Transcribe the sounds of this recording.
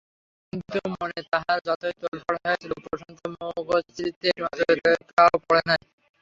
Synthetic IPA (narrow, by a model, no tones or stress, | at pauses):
kkint̪umonet̪aɦaɾd͡ʑɔt̪ojt̪olpɔɽaɔjet͡ɕʰilopɾoʃɔŋt̪ʰomoɡost̪ɾit̪ːeɾmat̪ojɾekaopɔɽenaj